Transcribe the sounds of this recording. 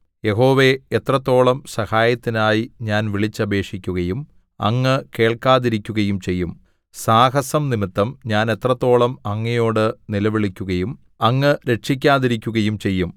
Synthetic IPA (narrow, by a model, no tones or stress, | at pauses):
je̞ɦo̞ːʋe̞et̪rɐt̪ːo̞ːɭɐmsɐhaːjɐt̪ːinaːjiɲaːnʋiɭit͡ɕːɐbʱe̞ːkʂikʲːuɣɐjum | ɐ̰ŋːɨke̞ːɭkaːðiɾikʲːuɣɐjumt͡ɕe̞jːum | saːɦɐsɐmnimit̪ːɐmɲaːne̞t̪rɐt̪ːo̞ːɭɐmɐŋːɐjo̞ːɽɨnilɐʋiɭikʲːuɣɐjum | ɐŋːɨɾe̞ʈʂik̬ʲːaːðiɾikʲːuɣɐjumt͡ɕe̞jːum